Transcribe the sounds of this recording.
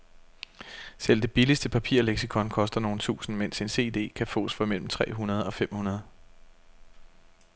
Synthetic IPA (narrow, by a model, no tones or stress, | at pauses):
sel̰d̥e̝b̥ilisd̥əpʰæpʰḭɐ̰leɡ̥sikʰɒ̽nkʰɒ̽sd̥ɐno̝ːn̩t͡sʰṵːsn̩men̰se̝nse̝̰ːd̥e̝̰ːkʰæfo̰̽ːsfɒ̽mel̰m̩t͡sʰʁɛ̰ːɦunɐð̞ˠɒ̽fem̰hunɐð̞ˠ